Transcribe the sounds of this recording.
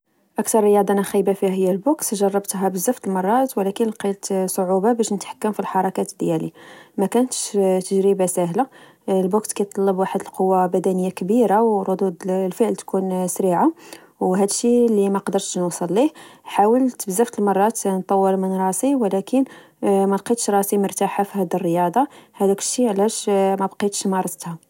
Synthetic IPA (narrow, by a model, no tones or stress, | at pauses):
ʔækt̪ɑɾˤːəjɑd̪ˤɑnæxijbafihæhəjːælbuksʒɑrˤːɑbt̪ɦæbəzæft̪əlmɑrˤːɑt̪wlækənlqilt̪sˤoʕubabæʃnət̪ħḁkːəmfilħɑɾˤɑkæt̪d̪jælḭmækænət̪ʃt̪əʒɾəbasæɦla | lbukskæjt̪ˤːɑlːəbwaħəd̪əlqowːabæd̪ænəjːakbiɾawɾˤʊd̪ud̪lfəʕəlt̪kunsɾiʕa | wɦæd̪əʃːilimæqd̪əɾˤt̪ʃnusˤəlːihħawəlt̪əbzəft̪əlmɑrˤːɑt̪nt̪ˤːɑwːəɾmənɾˤɑsiwlækən | mæbqit̪ʃɾˤɑsimʊɾt̪aħafihæd̪irːəjɑd̪ˤɑhæd̪ækəʃːiʕlæʃmæbqit̪ʃmɑɾˤɑt̪ˤt̪ha